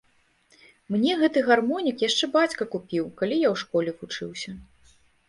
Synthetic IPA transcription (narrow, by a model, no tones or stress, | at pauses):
mnʲɛɣɛt̪ɨɣarmɔnʲikjaʂt͡ʂɛbat͡sʲkɐkupʲiwkalʲijawʂkɔlʲɛvut͡ʂɨwsʲɐ